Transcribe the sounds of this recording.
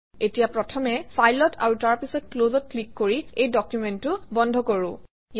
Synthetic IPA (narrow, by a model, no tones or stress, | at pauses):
etijapɹɔtʰɔmɛfʰajlɔtʰa̰ɹutaɹpisɔt̚klozɔt̚klikːoɹiejdɔkjumɛntʊbɔndʱɔkoɹʊ̃ | j